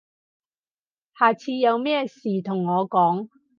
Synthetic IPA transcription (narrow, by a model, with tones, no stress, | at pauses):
haː˨˩t͡sʰiː˧jɐ˨˧wmɛː˥siː˨˩t̪ʰʊ˨˩ŋːɔː˨˧kɔː˨˥ŋ